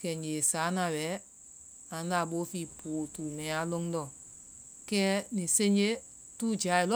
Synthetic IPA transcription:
kɛ˨n˨e˨sa˨˦nã˧˨wɛ˨˦ | ã˨n˦la˧˨ɓo˨˦fi˦˨pʰoː˨tuː˨mɛ̃˨a˦lo˧˦ŋ˦dɔ˦˨ | kɛː˦nĩ˨se˦ɲd͡ʒe˦ | tuː˦d͡ʒa˨˦˨i˨lɔ˦

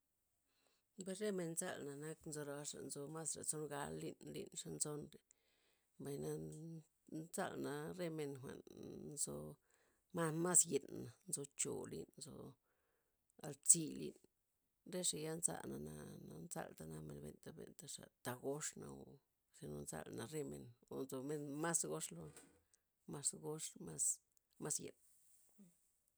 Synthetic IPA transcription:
be˧sɾe˦me˧nnt͡sa˦˨lna˨na˦knzo˧ɾa˧ʂa̰˨nzo˧ma˦sɾa˨t͡so˦nɡa˦lːi˦˧nlḭ˧nʂa˧nt͡so˦nɾe˨ | ba˨jna˧ | t͡sa˦˨lna˨ɾe˦me˧nxʷa̰˨nnzo˧ | ma˦ma˦sji˨na˨nzo˧t͡ʃo˨lḭ˦nnzo˧ | a˧lt͡si˦lḭ˧n | ɾe˦ʂa˧ja˦nza̰˧na˧na˧na˧nsa̰˧lt̪a˧na˧me˨nbe˨nt̪a˧be˨nt̪a˧ʂa˨t̪a˨ɡo˦ʂna˧o˨ | ʂe˧no˧nza̰˧lna˨ɾe˦me˧no˨nzo˧me˧nma˦sɡo˦ʂlo˧ | ma˧sɡo˦ʂma˦s | ma˦sje˨n

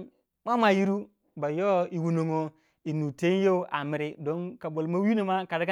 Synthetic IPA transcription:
ma˦ma˨ji˦ɾu˦ | ba˨jo˦i˨wu˨no˨ŋo˨ | i˨nu˨te˦n˦je˦u˦ʔa˨mi˨ɾi˦do˦nka˨bo˨lma˦wi˦no˨ma˦ka˨da˦ka˦

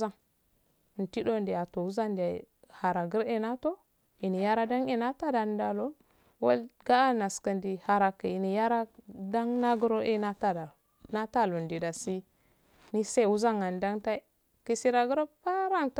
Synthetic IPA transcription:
a˦˨ŋ˨ | n̩˨ti˦do˦ndi˨a˨to˨wu˦za˦nda˨ | ha˨ɾa˨ɡə˦ɾe˦na˦to˦ | i˨ni˨ja˦ɾa˦da˦ŋe˦na˦ta˦da˨n˦da˨lo˦ | wo˦lɡa˦a˦na˨skə˨ndi˨ha˨ɾa˨ka˨i˨ni˨ja˦ɾa˦da˦ŋna˦ɡə˦ɾo˦ʔe˦na˦ta˦da˨ | na˦ta˦˨lo˨ndi˨da˨si˦ | ni˦se˦˨wu˦za˦ŋa˨nda˦ŋta˦ | ki˨si˦ɾa˨ɡə˦ɾo˦pa˦ɾa˦ŋt

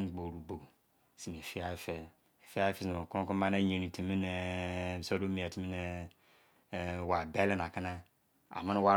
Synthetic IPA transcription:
ɡ͡bo˨ɾu˨bo˨ | si˨m˨e˨fi˦a˦fe˨ | fi˦a˦fe˦so˨ko˦ku˦ma˦na˦je˨ni˨ti˨mi˦ne˨so˦do˦mi˨a˨ti˨mi˦ne˨ | wa˨be˦le˦˨na˨ki˦na˦ | a̰˨ma˦n˦wa˦

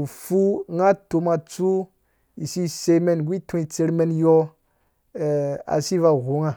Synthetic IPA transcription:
fu˦ŋa˦to˨˧ma˧t͡su˦ | i˨si˦se˧˦me˨nɡʷi˦tʰũ˦i˨t͡se˧ɾme˧˦njɔ˦˨ | a̰˨si˦va˨ɣu˨˦ŋa˨

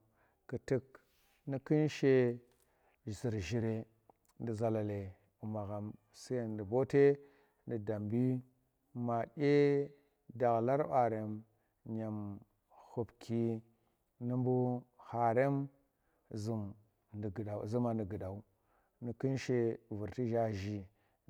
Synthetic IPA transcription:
ku˨ti˦k | ni˦ki˦nʃe˦˨ | zi˨ɾʒi˨ɾe˨ | ndi˨za˨la˨le˨ | u˨ma˨ɣa˨m | si˦je˦˨ndi˨bo˦te˦ | ndi˨da˨mbi˦ | ma˨ɗʲe˦ | da˨ɣla˦ɾa˨ɾe˨m | ɲa˨m | hu˨pkʰi˦ | ni˦mbu˦ha˨ɾe˦m | zu˨m | n˨ɡa˨zu˦ma˨ndi˨ɡi˨da˨u˦ | ni˨ki˦nʃe˦vu˨ɾti˦ʒa˦ʒi˨

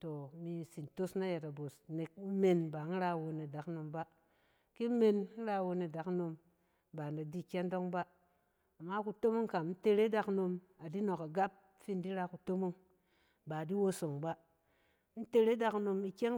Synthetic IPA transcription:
to˨mi˧si˨nto˦sna˦je˨ta˨bo˨sne˨k̚me˨nba˨˦n̩˦ɾa˧˨wo˧ne˨da˨˦kno˨mba˦ | ki˦me˨n˦n̩˦ɾa˧wo˧ne˨da˨kno˧m | ba˨na˨di˦˨kʲe˦ndo˦ŋba˦ | a˨mːa˦ku˨to˦mo˦ŋka˨m˦n̩˦te˧ɾe˦da˧kno˧m | a˨di˦no˨ka˨ɡa˦p̚ | fi˦ndi˦ɾa˧ku˨to˦mo˦ŋ | ba˨di˦wo˦so˨ŋba˦ | n̩˦te˧ɾe˦da˧kno˧mi˨kʲe˦ŋ

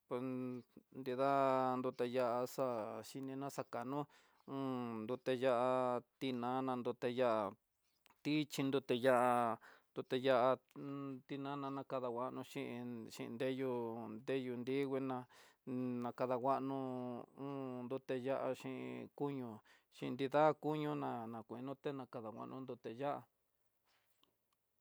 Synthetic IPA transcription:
pe˨snd̪i˧ða˦nd̪u˧t̪e˧ja˦ʔa˧sa˦ʃi˧nĩ˧nã˦sa˧ka˨nũ˦ | ũː˦nd̪u˧t̪e˧ja˦ʔa˧t̪i˧nã˨˦nã˧nd̪u˧t̪e˧ja˦ʔa˧ | t̪i˦t͡ʃi˧nd̪u˧t̪e˧ja˦ʔa˧nd̪̥u˧t̪e˧ja˧ʔa˧t̪i˧nã˦nã˧nã˧ka˧ða˧wa˧ʔnũ˧ʃi˦ʔʃḭ˧ʔnd̪e˦ju˧nd̪e˦ju˧nd̪i˦ɣi˧nã˧ | nã˧ka˧ða˧wʷa˦ʔnũ˧ũ˦nd̪u˧t̪e˧ja˦ʔa˧ʃĩ˧ʔḭ˧ku˦ɲũ˧ | ʃḭ̃˧nd̪i˧ða˦˧ku˦ɲũ˧nã˧nã˨kʷi˧nũ˦t̪e˦nã˧ka˧ða˨wʷa̰˨ʔnũ˧nd̪u˧t̪e˧ja˦ʔa̰˧

